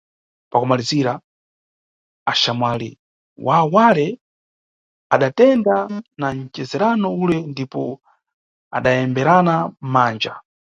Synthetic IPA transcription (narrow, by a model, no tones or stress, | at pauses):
pakumaliziɾa | aʃamwalḭ | wʔawalɛ | aɗatɛndanant͡ʃɛzɛɾanɔulɛndipɔ | a̰ɗajɛmbɛɾanamaːnd͡ʒa